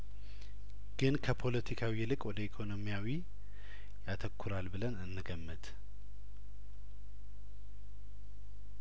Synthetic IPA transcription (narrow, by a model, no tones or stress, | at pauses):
ɡ̥ɨnkʰəpʰo̞lət̪ʰikʰawiɛlɨkʼwɔd̪əikʰo̞no̞mijawi | jat̪ʰəkʰːuɾalbɨlənɨnːɨɡəmːɨt̪ʼ